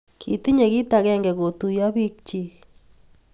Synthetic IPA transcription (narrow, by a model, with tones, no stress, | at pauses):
kʰi˨ti˦ɲe˨ki˦ta˨kɛ˦ŋɡɛ˨ko˨tu˨ja˦bi˦k̚t͡ʃi˦